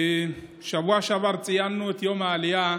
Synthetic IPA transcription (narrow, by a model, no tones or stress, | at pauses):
ʃabaʃabaɾt͡sʼɪjanːotiɔmaːlɪja